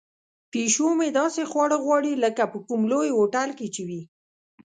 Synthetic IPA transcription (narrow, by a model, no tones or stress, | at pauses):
peʃomed̪ɑsexwɑɽəɣwɑɽiləkapəkumlojoʈalket͡ʃewi